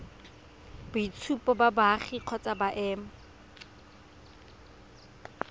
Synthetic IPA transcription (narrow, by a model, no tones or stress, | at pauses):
bʊit͡sʰupɔbabaːχiq͡χʰɔt͡sʼabaʔɛːma